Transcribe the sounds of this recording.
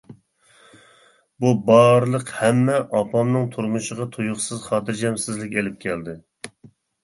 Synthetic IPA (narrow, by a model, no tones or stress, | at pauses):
bubɑɾlˠəqhɛmːɛʔɑpʰɑmnɨŋt̪ʰuɾmuʃəʁɑt̪ʰujʊχsɨzχɑːt̪ɨɾd͡ʒɛmsɪzlɪkʲelɪp̚kʲʰɛld̪ɪ